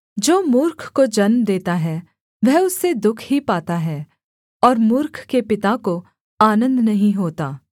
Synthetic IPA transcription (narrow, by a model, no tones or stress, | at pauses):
d͡ʒoːmʊɾkʰkod͡ʒɐnmd̪eːt̪aɦɛ | ʋɛɦʊsːed̪ʊkʰɦipaːt̪aɦɛː | ɔːɾmʊɾkʰkepɪt̪ako | aːnə̃nd̪nɐɦĩɦoːt̪aː